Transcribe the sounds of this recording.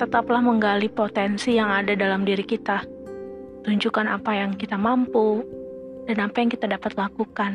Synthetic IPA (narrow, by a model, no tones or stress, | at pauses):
t̪ət̪aplahməŋɡalipot̪ɛnsijaŋadadalamdiɾikit̪a | t̪uɲd͡ʒukana̰pajaŋkit̪amampu | danapajaŋkit̪adapat̪lakukan